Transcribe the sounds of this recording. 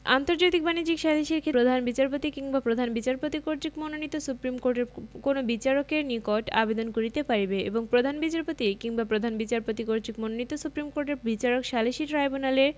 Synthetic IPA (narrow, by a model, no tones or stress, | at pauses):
a̰nt̪oɾd͡ʑajt̪ik̚banid͡ʑikʃaliʃiɾkʰeɾod̪ʱanbit͡ɕaɾpot̪ikiŋbapɾod̪ʱanbit͡ɕaɾpot̪ikoɾt͡ɕikmononit̪ːosupɾimkoɾʈeɾkonobit͡ɕaɾokeɾnikoʈa̰bed̪onkoɾit̪epaɾibeḛboŋpɾod̪ʱanbit͡ɕaɾpot̪ikiŋbapɾod̪ʱanbit͡ɕaɾpot̪ikoɾtikmononit̪osupɾimkoɾʈeɾbit͡ɕaɾokʃaliʃiɾɾajbonaleɾ